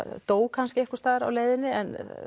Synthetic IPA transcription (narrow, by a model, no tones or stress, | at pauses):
t̪oːwkʰanscɪɛhkʏ̥ɾst̪aːðɪɾa̰wleːjðɪnːɪɛ̰n